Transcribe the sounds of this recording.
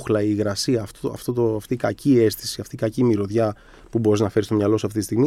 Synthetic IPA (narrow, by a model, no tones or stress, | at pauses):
xlɐiɣɾɐsiɐːft̪oɐ̰ft̪ot̪oft̪ikɐcie̞st̪i̥siɐft̪ikɐcimiɾo̞ðʝɐ | pubo̞ɾiznɐfe̞ɾist̪o̞mɲɐlo̞sɐft̪it̪ist̪iɣmi